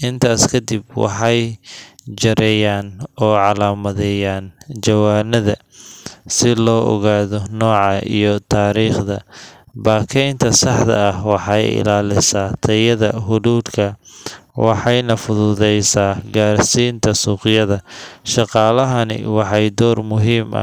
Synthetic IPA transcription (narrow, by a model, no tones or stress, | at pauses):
ʔɪnt̪ʰaːskʰɐd̪ibwɑ̰ħɑj | d͡ʒɐɾɛːjaːnɔːʕɑlaːmɐðɛjaːnt͡ʃɐwaːnɐðɐ | sɪlɔːʔɔ̰ɣaːðɔnɔːʕɑʔḭjɔt̪ʰaːɾiːχðɐbaːkʰɛjnt̪ʰɐsɑħd̪ɐ̰ɐhwɑħɑjɪ̰laːlɪsaːt̪ʰɐjɐðɐɦʊðuːd̪kʰɐwɑ̰ħɑjnɐfʊðʊðɛjsaːɡaːrsiːnt̪ʰɐsuːqɪjɐðɐʃɑqɑːlɐɦɐnɪ̰wɑħɑjd̪ɔːrmʊɦiːmʔɐ̰